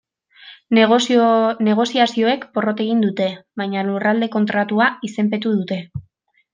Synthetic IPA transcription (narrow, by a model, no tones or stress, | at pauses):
ne̞ɣ̞o̞siasio̞e̞kpo̞ro̞t̪e̞ɣ̞ind̪ut̪e̞βajɲalurald̪e̞ko̞nt̪ɾat̪uaise̞mpe̞t̪uðut̪e̞